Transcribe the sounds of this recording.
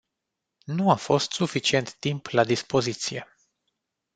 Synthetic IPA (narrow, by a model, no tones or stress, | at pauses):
nuafo̞st̪sufit͡ʃie̞nt̪ːimplad̪ispo̞zit̪sije̞